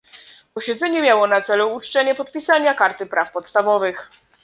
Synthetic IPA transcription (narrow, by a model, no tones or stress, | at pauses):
pɔɕɛd̪zɛɲɛmʲjawɔnat̪sɛluːt͡ʂt͡ʂɛɲɛpɔt̪̚pʲisaɲakaɾt̪ɘpɾafpɔt̪st̪avɔvɘx